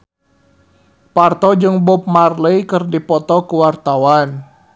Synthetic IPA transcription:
part̪ɔd͡ʒɨŋbʊp̚marləjkərdipɔt̪ɔkuwart̪awan

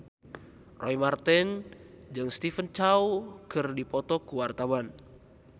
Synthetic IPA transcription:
rɔjmart̪ɛnd͡ʒɨŋst̪ifənt͡ʃawkɨrdipɔt̪ɔkuwart̪awan

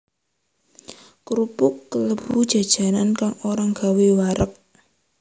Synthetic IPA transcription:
kɾupʊkːələbud̥ʒ̥a̤d̥ʒ̥a̤nankaŋoɾaŋɡ̥a̤wewaɾək̚

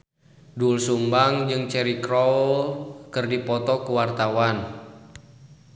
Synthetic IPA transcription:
dulsumbaŋd͡ʒɨŋt͡ʃɛɾikɾɔllkɨrdipɔt̪ɔkuwart̪awan

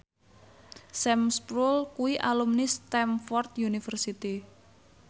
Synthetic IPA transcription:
sɛmspɾulkuiʔalumnist̪ɛmfɔrt̪junifərsit̪i

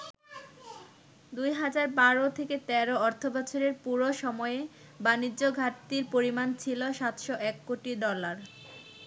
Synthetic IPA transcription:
d̪ujɦad͡ʑaɾbaɾot̪ʰeket̪ɛɾoɔɾt̪ʰobɔt͡ɕʰoɾeɾpuɾoʃɔmɔeebanid͡ʑoɡʱat̪iɾpoɾimant͡ɕʰiloʃat̪ʃoʔɛkːoʈiɖɔlaɾ

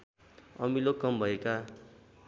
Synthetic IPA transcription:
ʌ̰milokʌmbʱʌeka

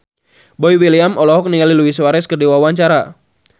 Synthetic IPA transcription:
bɔjwiliamɔlɔɦɔk̚niŋaliluwiswaɾɛskərdiwawaɲt͡ʃaɾa

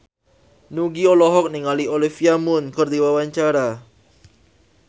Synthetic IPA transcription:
nuɡiolɔɦɔk̚niŋaliolifiamʊnkərdiwawaɲt͡ʃaɾa

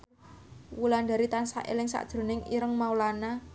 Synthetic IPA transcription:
wuland̪a̤ɾit̪ansa̰ʔḛlɪŋsa̰ʔd̥ʒ̥ɾo̤nɪŋiɾəŋmaulana

